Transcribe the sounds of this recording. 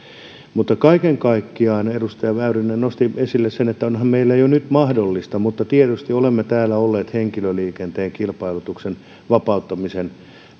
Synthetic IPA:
mut̪ːɑkɑikeŋkɑikːiɑːnerust̪ɑjɑʋæyrinːennost̪iesilːessenet̪ːæonhɑmmeilːæjonyt̪mɑhdolːist̪ɑmut̪ːɑt̪iet̪yst̪iolemːet̪æːlːæolːeːt̪heŋkiløliːkent̪eːŋkilpɑilut̪uksen | ʋɑpɑut̪ːɑmisen

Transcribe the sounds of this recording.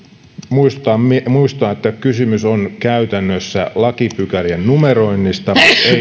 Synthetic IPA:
muist̪ɑmimuist̪ɑːet̪ːækysymysonkæyt̪ænːøsːæ̰lɑkipykæriennumeroinːist̪ɑe

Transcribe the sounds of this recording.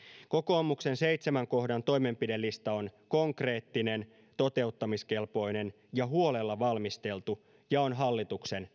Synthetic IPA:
ko̞ko̞ːmukse̞nse̞jt̪semæŋko̞hdɑnt̪o̞jme̞mpide̞lːist̪ɑo̞nko̞ŋkre̞ːt̪ːine̞n | t̪o̞t̪e̞ut̪ːɑmiske̞lpo̞ine̞n | jɑɦuo̞le̞lːɑʋɑlmist̪e̞lt̪u | jɑo̞nɦɑlːit̪ukse̞n

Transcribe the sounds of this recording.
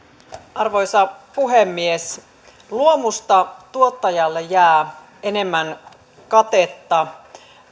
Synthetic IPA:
ɑrʋo̞jsɑpuɦemːies | luomust̪ɑt̪uot̪ːɑjɑlːejjæː | e̞ne̞mːæn | kɑt̪et̪ːɑ

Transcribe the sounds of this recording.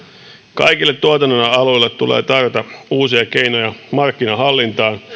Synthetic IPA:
kɑ̰jkilːet̪t̪ːuot̪ɑnːonɑɑlujlːet̪t̪ːulḛːt̪ɑrjot̪ɑuːsiɑkejnojɑmɑrkːinɑɦɑlːint̪ɑːn

